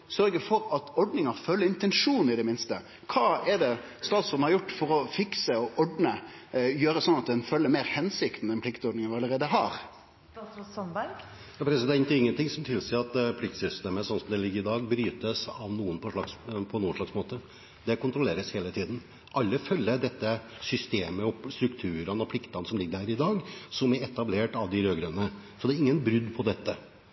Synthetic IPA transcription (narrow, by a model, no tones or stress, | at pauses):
sœɾɡəfɔɾɑt̪ɔɖnɪŋɑɾfœlːəɾɪnt̪ɛnʂuːn̩ɪd̪ɛmɪnst̪ə | kʰɑːɛɖ̪ɛ | st̪ɑːt̪sɔd̪n̩hɑɾjʊʈːfɔɾɔfɪksəɔʔɔɖnə | jøːɾəsɔnɑt̪̚d̪ɛnfœlːəɾmeːɾhɛnsɪkt̪n̩ɛnpʰlɪkt̪ɔɖɳɪŋənʋɪɑləɾeːd̪əɦɑ̰ːɾ | sɔnbæɾɡ | jɑːpʰɾɛsɪd̪ɛɪnt̪əɪŋːənt̪ɪŋsɔmt̪ʰɪlsiːɑt̪̚pʰlɪk̚t̪sʏst̪eːməsɔnːsɔmd̪ɛlɪɡːəɾɪd̪ɑːɡbɾyːt̪əsɑʋnuːənpʰɔʂɭɑkspʰɔnuːənʂɭɑksmoːt̪ə | d̪ɛkʊnt̪ʰɾʊleːɾəsheːlət̪ʰiːd̪n̩ | ʔɑlːəfœlːəd̪ɛt̪ːə | sʏst̪eːməɔst̪ɾʉkt̪ʰʉːɾənɔpʰlɪkt̪ɑnsɔmlɪɡːəɾhæːɾɪd̪ɑːɡsɔmæɾɛt̪ɑbleːʈɑʋd̪ɪɾøːɡɾœnə | sɔd̪ɛːɾɪŋːənbɾʏd̪ːpʰɔd̪ɛt̪ːə